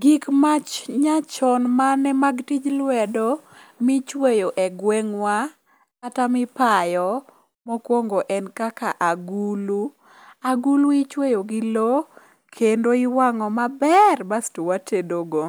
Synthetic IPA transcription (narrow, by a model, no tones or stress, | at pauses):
ɡikmat͡ʃɲat͡ʃɔnmanɛmaɡtid͡ʒlwɛdomit͡ʃwejoʔɛɡwɛŋwaː | tamɪpajɔ | mɔkwoŋɡoʔɛnkaka̰ʔaɡulu | aɡuluit͡ʃwejoɡɪlo | kʰendoɪwaŋɔmabɛrbastowatʰedoɡo